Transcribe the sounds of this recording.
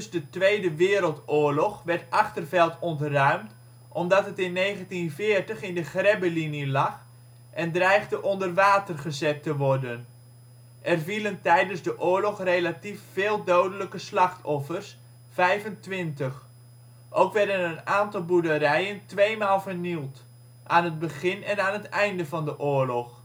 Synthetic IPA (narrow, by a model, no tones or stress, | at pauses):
dzdətʋejdəʋɪːɾəlˠtʊːɹlɔχʋɛrtʔɑχtərvɛlˠtɔntrœɥmt | ʔɔmdɑtɦətɪnːejχəntinvɪːrtəχɪndəχrɛbəlinilɑχ | ʔɛndrɛjχdəʔɔndərʋaːtərχəzɛtəʋɔrdən | ʔɛrviləntɛjdənzdəʔʊːɹlɔχrejlatifːɪːlˠdowdələkəslɑχtʰɔfərs | fɛjvəntʋɪntəx | ʔowkʋɛɹdənənaːntɑlˠbudəɾɛjəntʋejmaːlˠvərnilˠt | ʔaːnəd̚bəχɪnɛnaːnətɛjndəvɑndəʔʊːɹlɔx